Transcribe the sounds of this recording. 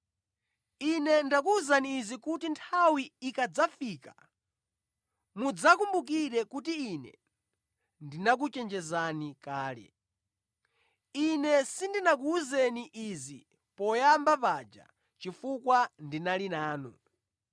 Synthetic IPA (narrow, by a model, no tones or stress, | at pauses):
inɛndak̬uuzaniːzikutintʰawiːkad͡zafiːka | mud͡zakumbuk̬iɾɛkutiːnɛ̰ | ndinak̬ut͡ʃɛnd͡ʒɛzanikaːlɛ̰ | inɛsindinak̬uːzɛniʔizi | pɔjambapad͡ʒa̰ | t͡ʃifukwandinalinaːnṵ